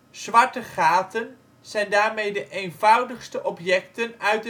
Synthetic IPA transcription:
z̥ʋɑɹtəχaːtən | z̥ɛjndaːɹmejdəʔejnvɑwdəχstəʔɔpjɛktənœɥt

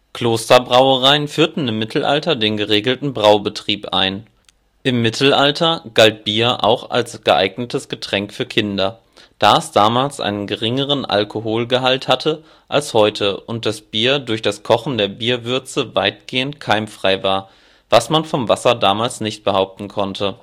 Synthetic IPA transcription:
kl̥oːstɐbʁaʊəʁaɪənfyːɐtn̩ɪmːɪtʰl̩ʔa̰ltɐdeːnɡəʁeːɡl̩tn̩bʁaʊbətʁ̥iːpʔa̰ɪn | ʔɪmːɪtʰl̩ʔaltʰɐɡ̥alt̚b̥iːɐʔa̰ʊxa̰lsɡ̥əʔa̰ɪɡnətʰəsɡ̥ətʁ̥ɛŋkfyːɐkʰɪndɐ | d̥aːɛsd̥aːmaːlsʔa̰ɪnənɡəʁɪŋəʁ̞ənʔa̰lkʰoɦoːlɡəɦalthatʰə | ʔalshɔʏtʰəʔʊnt̚d̥asb̥iːɐdʊɐçd̥askʰɔχn̩deːɐbiːɐvʏɐt͡səvaɪt̚ɡ̥eːəntkʰaɪmfʁ̥aɪvaːɐ | vasmanfɔmvasɐdaːmaːlsnɪçt̚b̥əhaʊp̚tn̩kʰɔntʰə

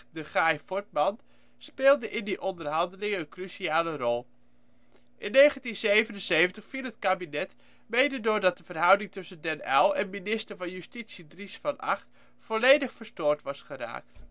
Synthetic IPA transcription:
dəχajfɔɹt̚mɑn | speːlˠdəʔɪndiʔɔndəɹɦɑndəlɪŋəənkrysiaːlərɔlˠ | ʔɪnːejχəntinzejvənənsejvəntəχfiːlɦətkaːbinɛt | mejdədʊːɹdɑt̚dəvərɦʌwdɪŋtɵsəndɛnɛlˠɛnminɪstəɹvɑnjystitsidrisfɑnɑ̰χt | fɔlejdəχfəɹstʊːɹtʋɑsχəɾa̰ːk̚t

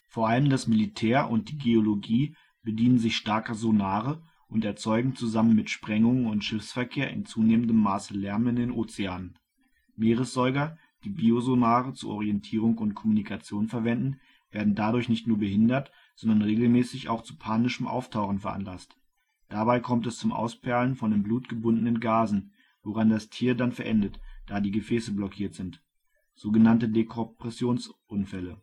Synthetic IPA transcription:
foːɐʔaləmdasmɪlitʰɛːɐʔʊ̰nt̚d̥iːɡeoloɡiː | b̥ədiːnənzɪçʃtaɐkɐzonaːʁə | ʔʊntɛɐt͡sɔʏɡŋ̩t͡suzamənmɪtʃpʁ̥ɛŋʊŋənʊntʃɪfsfɛɐkʰeːɐʔɪ̰nt͡suːneːməndəmːaːsəlɛɐmɪndeːnʔoːt͡seaːnən | meːʁ̞əsz̥ɔʏɡɐ | d̥iːbiːozonaːʁət͡suʔɔ̰ʁiɛntʰiːʁ̞ʊŋkʊntkʰɔmunikʰat͡sjoːnfɛɐvɛndn̩ | veːɐdn̩dadʊɐçnɪçtnuːɐbəɦɪndɐt | z̥ɔndɐnʁeːɡl̩mɛːsɪça̰ʊxt͡su̥pʰaːnɪʃəmʔa̰ʊftʰaʊχn̩fɛɐʔa̰nlast | d̥abaɪkʰɔmtɛst͡sʊmʔa̰ʊspʰɛɐlənfɔndeːmbluːtɡ̥əbʊndənənɡaːzn̩ | voʁandastʰiːɐdanfɛɐʔɛndətd̥aːdiːɡəfɛːsəblɔkʰiːɐtz̥ɪnt | z̥oːɡənantədekʰɔpʁ̥ɛsjoːnsʔʊnfɛlə

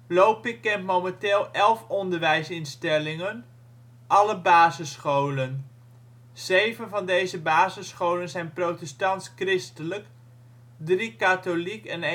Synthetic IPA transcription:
lowpɪkːɛntmowmɛnteːlˠɛlˠfɔndəɹʋɛjsɪnstɛlɪŋən | ʔɑləbaːzəsχowlən | z̥ejvənvɑndejzəbaːzəsχowlənzɛjnprowtɛstɑntskrɪstələk | drikatolikɛn

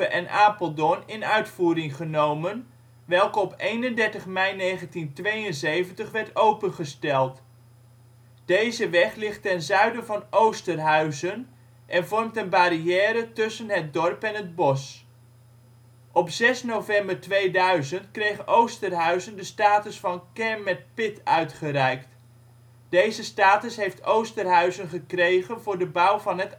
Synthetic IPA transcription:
əʔɛnʔaːpəlˠdɔnɪnœɥtfuːɾɪŋχənowmən | ʋɛlˠkəɔpejnəndɛɹtəχmɛjnejχəntintʋejənzejvəntəχʋɛɹtowpənχəstɛlˠt | d̥ejzəʋɛχlɪχtɛnzœɥdəvɑnowstənɦœɥzən | ʔɛnvɔrɹmtənbaɾiɛːɾətʏsənɦət̚dɔrpɛnɦəd̚bɔs | ʔɔpz̥ɛsnowvɛmbəɹtʋejdœɥzəntkrejχənʔowstənɦœɥzəndəstaːtəsfɑnkɛɹmmːɛt̚pɪtœɥtχərɛjkt | d̥ejzəstaːtəsɦejftowstərɦœɥzənχəkrejχənvʊːɹdəbʌwvɑnɦət

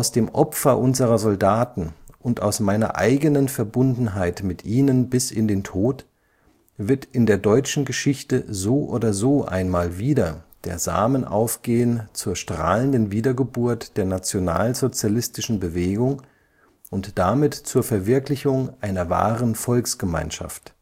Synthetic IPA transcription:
ʔaʊsd̥eːmʔɔpfɐʔʊnzəʁɐzɔldaːtn̩ʔʊntʔa̰ʊsmaɪnɐ̰ʔa̰ɪɡənənfɛɐbʊndn̩ɦaɪtmɪtʔiːnənbɪsɪndeːntʰoːt | v̥ɪɐtɪndeːɐdɔʏt͡ʃn̩ɡəʃɪçtəzoːʔoːdɐzoːʔa̰ɪnmaːlviːdɐd̥ḛːɐza̰ːmənʔa̰ʊfɡ̥eːənt͡suːɐʃtʁ̥a̰ːləndənviːdɐɡəbuːɐtd̥eːɐnat͡sjona̰ːlzot͡sjalɪstɪʃn̩bəveːɡʊŋ | ʔʊntd̥amɪtt͡suːɐfɛɐvɪɐklɪçʊŋʔaɪnɐva̰ːʁənfɔlksɡ̥əma̰ɪnʃa̰ft

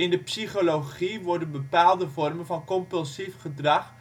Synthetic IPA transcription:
ɪndəpsiχoloχiʋɔrdənbəpaːlˠdəvɔrmənvɑnkɔmpəlˠsifχədrɑχ

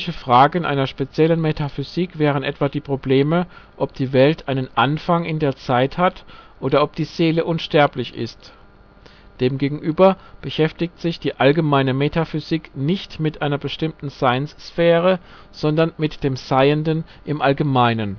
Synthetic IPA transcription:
çəfʁ̥aːɡn̩ʔa̰ɪnɐʃpet͡sjɛlənmetʰafyziːkv̥ɛːʁ̞ənʔɛtv̥aːdiːpʁ̥obleːməʔɔp̚d̥iːvɛltʰʔaɪnənʔanfaŋɪndeːɐt͡saɪthatʔoːdɐʔɔp̚d̥iːz̥eːləʔʊnʃtɛɐplɪçɪ̰st | d̥eːmɡeːɡŋ̩ʔyːbɐb̥əʃɛftɪktz̥ɪçd̥iːʔalɡəmaɪnəmetʰafyziknɪçtmɪtʔaɪnɐbəʃtɪmtn̩zaɪnsfɛːʁə | z̥ɔndɐnmɪtd̥eːmz̥aɪəndənʔɪmʔalɡəmaɪnən

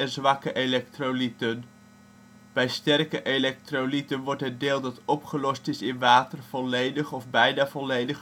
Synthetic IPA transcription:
ɛnzʋɑkəʔelɛk̚trolitən | b̥ɛjstɛrkəʔelɛk̚trolitənʋɔɹtɦətdeːlˠdɑtɔpχəlɔstɪsɪnʋaːtərv̥ɔlejdəχɔfbɛjnaːvɔlejdəχ

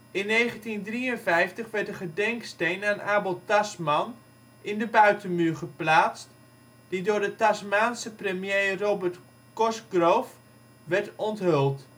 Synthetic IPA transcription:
ɪnːejχəntindriənvɛjftəχʋɛrtdəχədɛŋkstejnaːnʔaːbolˠtasmɑn | ʔɪndəbœɥtənmyːɹχəplaːt͡st | d̥idʊːɹdətasmaːnsəprəmjejroːbərt | kɔsɡrowf | ʋɛɹtɔntɦɵlˠt

